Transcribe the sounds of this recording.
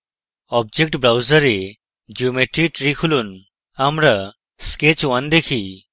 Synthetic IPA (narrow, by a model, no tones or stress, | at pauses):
ɔb̚d͡ʒek̚ʈbɾawzəɾe | d͡ʒiumeʈɾiʈɾikʰulun | amɾa | sket͡ʃwand̪ekʰi